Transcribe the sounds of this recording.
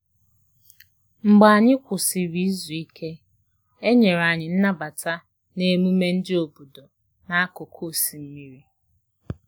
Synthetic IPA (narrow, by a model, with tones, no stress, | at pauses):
ŋ͡m̩˨ɡ͡ba˨ɲɪ˦kʷʊ˨sɪ˨bi˦zu˨i˦kʰe˦ | e˦ɲe˨ɾa˨ɲɪ˨n̩˦na˦ba˨ta˦ | ne˦mu˦me˦n̩˦dɪ˦o˨bu˨do˨ | na˦a˦ko˨kʰo˦˨si˨m̩˦mi˦ɾi˦